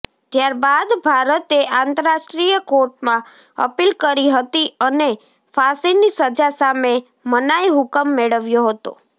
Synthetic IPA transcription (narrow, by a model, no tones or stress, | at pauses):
t̪jaɾbad̪bʱaɾət̪eʔãnt̪əɾasʈɾijəkoɾʈ̚mã | ə̰pilkəɾiɦət̪iəne | fasinːisəd͡ʒasame | mənajɦʊkəmːeɭəʋjoɦət̪o̰